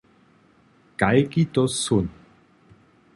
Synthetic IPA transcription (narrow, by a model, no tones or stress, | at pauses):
kajkit̪osun